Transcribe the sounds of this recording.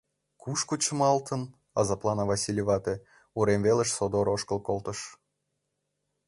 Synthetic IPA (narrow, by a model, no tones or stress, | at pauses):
kuʃkut͡ɕə̆mɑlt̪ən | ɑzɑplˠɑnɑvɑsʲilʲevɑt̪e | uɾemveleʃsod̪oɾoʃkəlˠkolˠt̪əʃ